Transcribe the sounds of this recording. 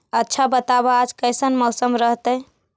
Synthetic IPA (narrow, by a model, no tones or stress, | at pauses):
ətːʃʰabət̪aβaːd͡ʒkəjsənmɔsəmɾəɦt̪əj